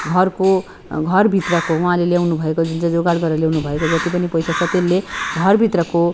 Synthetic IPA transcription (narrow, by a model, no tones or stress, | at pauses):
ɡʱʌrko | ɡʱʌrbʱit̪rʌkouɦãleljawnubʱʌekod͡zʱunt͡sʌd͡zoɡaɽɡʌɾʌljawnubʱʌekod͡zʌt̪ipʌnipʌjsat͡sʰʌt̪elːeɡʱʌrbʱit̪rʌko